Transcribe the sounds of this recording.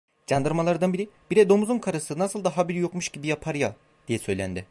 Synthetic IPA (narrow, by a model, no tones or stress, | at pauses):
d͡ʒand̪ɯɾmalˠaɾd̪anbiɾib̥iɾɛd̪o̞mzunkʰaɾasɯnasɯlˠd̪aɦabiɾjo̞kmuʃɟibijapʰaɾja | d̪̥ijɛsø̞jlʲæ̰nd̪ɪ